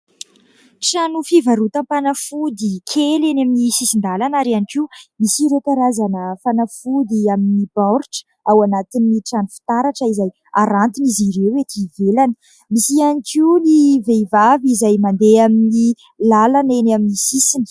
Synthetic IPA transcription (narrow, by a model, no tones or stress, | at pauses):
ʈ͡ʂanufivaɾut̪ãmpanafud̪ikʰelenaminisisind̪alanaɾianikiumisiɾewkaɾazanəfanafud̪iaminibaɾʈ͡ʂə̥ | awanat̪iniʈ͡ʂanufi̥t̪aɾaʈ͡ʂəizaj | aɾant̪iniziɾewet̪ivelanə̥ | misianikiuliveivavizajmand̪eamini | lalanenaminisisinə̥